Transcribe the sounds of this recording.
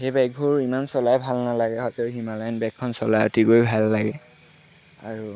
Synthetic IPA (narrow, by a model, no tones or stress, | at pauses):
xejbaɡ̚bʱuɹimansɔlajbʱalnalaɡɛɦɔjtɛɦimalajnbɛkʰːɔnsɔlajo̰tikojbʱalːaɡɛ | a̰ɹu